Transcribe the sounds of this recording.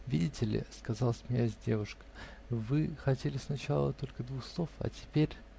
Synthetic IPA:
vʲidʲɪtʲɪlʲɪ̰skɐzɑlˠəsʲmnʲazʲdʲe̞vʊʂkə̥vɨxɐtʲelʲɪsnɐt͡ɕalˠə̰t̪o̞lʲkəd̪vuxslˠo̞fɐ̰tʲɪ̥pʲeɾʲ

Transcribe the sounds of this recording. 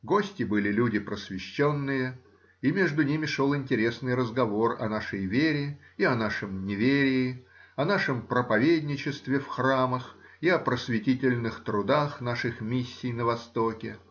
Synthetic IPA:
ɡo̞sʲtʲɪbɨlʲɪlʲudʲɪpɾəsvʲɪɕːonːɨjə | imʲe̞ʐd̪ʊnʲimʲɪʂolˠɪnʲtʲɪɾʲe̞snɨjrəzɡɐvo̞rɐ̰naʂəjvʲeɾʲɪiɐnaʂɨmnʲɪvʲeɾʲɪːɐnaʂɨmpɾəpɐvʲedʲnʲɪt͡ɕɪst̪vʲɪfxraməxiɐpɾəsvʲɪtʲitʲɪlʲnɨxt̪ɾʊd̪axn̪aʂɨxmʲisʲːijnəvɐst̪okʲɪ

